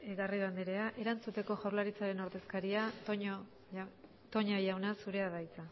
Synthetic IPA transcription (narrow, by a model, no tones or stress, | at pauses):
eɣariβand̪eɾe̞aʔe̞ɾant͡sut̪e̞ko̞ʝawɾlaɾit͡saɾe̞no̞ɾðe̞skaɾiaɲ | t̪o̞ɲajawnasuɾe̞aðajt͡sa